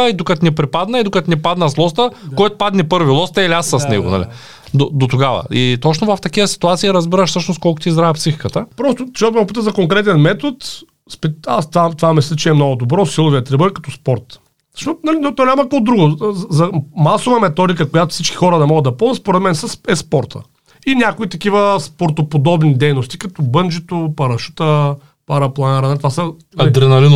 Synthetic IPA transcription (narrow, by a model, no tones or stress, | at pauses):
əid̪okɐt̪nɛpɾipad̪nəid̪okɐt̪nɛpad̪nəslˠɔst̪əkɔjt̪ʊ̥pad̪nipɤɾvilˠɔst̪ɐiliasːəsnɛ̰ɡo̰nɐ̰lḭ | d̪od̪ot̪oɡavə̰it̪ɔt͡ʃnovɐft̪ɐkivəsi̥t̪uat̪siiɾɐzbiɾəʃsɤʃnoskɔlˠkʊt̪izɡ̪ɾaɛpsixi̥kət̪əpɾɔst̪ʊʃɡot̪opit̪əzɐkoŋkɾɛt̪ɛnmɛt̪ot̪ | spɛast̪vat̪vamislʲət͡ʃɛɛmnɔɡʊd̪obɾɔsilˠʊviət̪ɾɛbəkɐ̥t̪ɔspɔɾt̪ | əʃɔnɐlinot̪ɔnʲamɐkkɔd̪ɾuɡʊzɐmasovɐmɛt̪ɔd̪ikəkojat̪ʊ̥fsit͡ʃkʲi̥xɔɾəd̪ɐmɔɡəd̪ɐpɔzɐt̪spoɾɛt̪mɛnsɐsɛspɔɾt̪ʰə̰ | inʲakoit̪ɐk̟ivəspoɾt̪opod̪ɔbnid̪ɛjnost̪ikɐt̪ɔbənd͡ʒit̪opɐɾɐʃu̥t̪ə | paɾɐplˠɐnaɾɐnɐt̪vasɐ | ɐid̪ɾɛnɐlin